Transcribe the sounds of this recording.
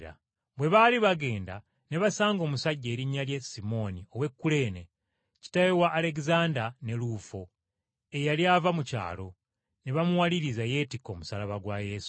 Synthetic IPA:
ɾa̰ | βwe̞βaliβaɡe̞ːnda̰ | ne̞βasaːŋɡo̞ːmusaɟːe̞ːɾiɲːaljesimo̞nio̞we̞kːule̞ːne̞ | ci̥tajewaːle̞kizaːndane̞lufo | ejaliavamuca̰ːlo̞ | ne̞βamuwaliɾizaje̞tiko̞ːmusalaβaɡwaje̞su̥

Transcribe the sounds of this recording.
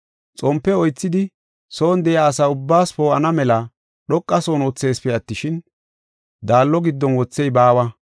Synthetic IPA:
t͡sʼɔmpːɛɔjt͡sːɪd̪ɪ | soːnd̪ɛjaːsɐʊbːaːspoːɐnɐmɛlɐ | ɗɔkʼːɐsoːnɔt͡sːe̞ːspɛɐt̪ːɪʃɪn | d̪aːlːɔɡɪd̪ːɔnwɔt͡sːɛjbaːwɐ

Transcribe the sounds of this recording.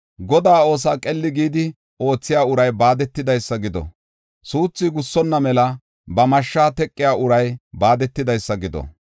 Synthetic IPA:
ɡɔd̪aːo̞ːs̬aːkʼɛlːɪɡiːd̪ɪ | o̞ːt͡sːɪjaːʊɾɐjbaːd̪ɛt̪ːɪd̪ɐjsːɐɡɪd̪ɔ̰ | suːt͡sːɪɡʊsːɔnːɐmɛlɐ | bɐmɐʃːaːt̪ɛkʼːɪjaːʊɾɐjbaːd̪ɛt̪ːɪd̪ɐjsːɐɡɪd̪ɔ̰

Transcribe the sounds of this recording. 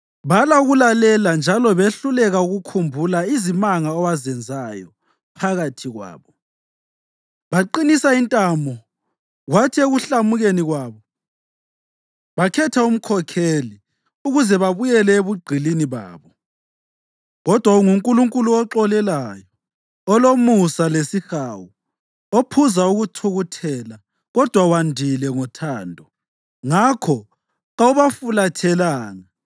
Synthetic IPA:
βalauɣulalɛland͡ʒʱalɔβeɬulɛɣauɣukʰumbʱulaizimaŋaɔwazɛnd͡zʱajɔ̰ | pʰaɣatʰiɣwa̰ːβɔ | βaǃinisaintʼambʱɔ | ɣwatʰieɣuɬamuɣeniɣwaːβɔ | βakʰɛtʰaum̩kʰɔkʰeli | uɣuzɛβaβujɛlɛeβuɡ͡ǀʱiliniβa̰ːβɔ | ɣɔd̥ʱwauŋuŋkʼuluŋkʼuluɔǁɔlɛlajɔ | ɔlomusalesixawu | opʰuzauɣutʰuɣutʰɛla | ɣɔd̥ʱwawandʱilɛŋɔtʰaːndʱɔ | ŋakʰɔ | ɣauβafulatʰɛlaːŋa

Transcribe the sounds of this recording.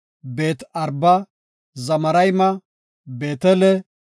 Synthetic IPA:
beːt̪ɐɾbɐ | zɐmɐɾɐjmɐ | be̞ːt̪ɛlɛ

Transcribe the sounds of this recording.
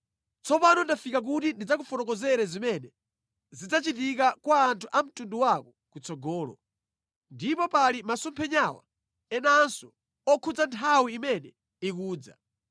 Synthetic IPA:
t͡sɔpanɔndafikak̬utindid͡zakufɔnɔkɔzɛɾɛzimɛnɛ | zid͡zat͡ʃitikakwaːntʰuʔam̩tunduwakɔ | kut͡sɔɡɔːlɔ̰ | ndipɔpalimasumpʰɛɲawa̰ | ɛnansɔ̥ | ɔkʰud͡zantʰawiːmɛnɛ | ik̬uːd͡za̰

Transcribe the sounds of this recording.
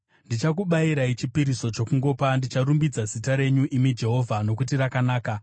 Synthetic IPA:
ndit͡ʃak̬uɓaiɾait͡ʃipiɾiso̞t͡ʃo̞kuŋɡo̞ːpandit͡ʃaɾumbid͡zazitaɾe̞ɲuʔimid͡ʒe̞ɦo̞ːvʱano̞kutirakanaːka

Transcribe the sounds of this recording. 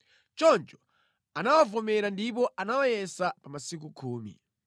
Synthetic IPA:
t͡ʃɔnt͡ʃɔ̥ | anawavɔmɛɾandip̬ɔʔanawajɛsapamasik̬ukʰuːmḭ

